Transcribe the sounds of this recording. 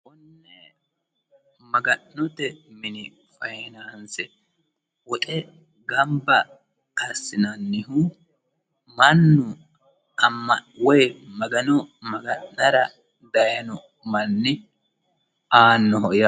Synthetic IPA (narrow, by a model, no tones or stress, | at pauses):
wɔnːɛ | mɐɡɐnnɔt̪ɛmɪnɪ | fɐjɪnɐnsɛ | wɔt̪ʼɛ | ɡɐmbɐ | ɐsːɪnɐnːɪɦʊ | mɐnːʊ | ɐmːɐwɔjmɐɡɐnɔmɐɡɐʔɐɾɐ | d̪ɐjɐnɔ | mɐnːɪ | aːnːɔɦɔʔja